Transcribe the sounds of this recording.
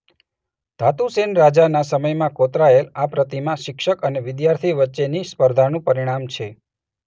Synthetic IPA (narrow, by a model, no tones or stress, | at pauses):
d̪ʱat̪usenɾad͡ʒanasəməjmãkot̪ɾaelapɾət̪imãʃɪkʃəkəneʋɪd̪jaɾt̪ʰiʋətːʃenispəɾd̪ʱanũpəɾiɽ̃amt͡ʃʰe